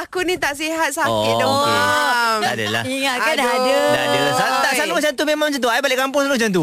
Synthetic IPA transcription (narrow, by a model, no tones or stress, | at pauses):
akunit̪aʔsiɦat̪̚sakɪdɔ | adə̰la̰hiŋakadaadədaadəlasat̪aʔsalut͡ʃant̪umemaŋmt͡ʃant̪̬uaibalɪʔkampʊŋs̬alut͡ʃant̪u